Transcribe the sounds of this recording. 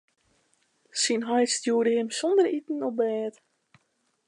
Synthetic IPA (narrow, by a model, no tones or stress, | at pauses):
sinɦɔjtstjuədəhɪmsɔndəritn̩ɔp̚bɛːt